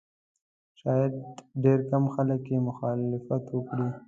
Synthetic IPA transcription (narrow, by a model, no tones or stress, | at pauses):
ʃɑjad̪ɖeɾkamxaləkjemʊxɑlɪfat̪wəkɽi